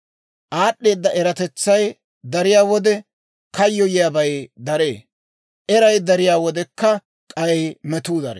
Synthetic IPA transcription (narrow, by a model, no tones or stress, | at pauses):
ʔaːɗːe̞ːd̪ːɐʔɛɾɐt̪ɛt͡sːɐj | d̪ɐɾɪjaːwɔd̪ɛ | kɐjːɔjɪjabɐjd̪ɐɾe̞̰ː | ʔɛɾɐjd̪ɐɾɪjaːwɔd̪ɛkːɐ | kʼɐjmɛt̪uːd̪ɐɾɛ